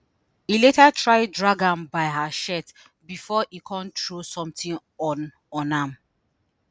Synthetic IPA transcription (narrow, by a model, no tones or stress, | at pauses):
iletatʰɹaɪdɹaɡãmbaɪɦaʃɛt | bifɔʔikʰɔ̃ntɹosɔ̃mtĩn | ɔn | ɔ̃nam